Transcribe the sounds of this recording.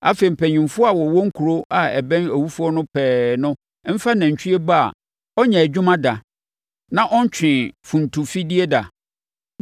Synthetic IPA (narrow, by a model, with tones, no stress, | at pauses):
a̰˦fe˨i˨m̩˨pʰɛ˨ɲᶣĩ˨mfʊ˦a˨wɔ˨wɔ˦ŋ̩˦kʰu˨ɾo˦ʔa˨ɛ̰˨bɛ̃˦næ˨wu˦fu˦ɔ˦nʊ̃˦pʰɛː˨nʊ̃˦ | m̩˦fa˦nã˨ɲ̩˨t͡ɕʰᶣi˦e˦ba˦a̰˨ | ɔ˦ɲɛ̃˨ɛ˨d͡ʑᶣʊ˦mã˦da˨ | nã˦ʔɔ˦ɲ̩˦t͡ɕʰᶣɪ̃˨fũ˨n˨tʰu˨fi˦di˦e˦da˨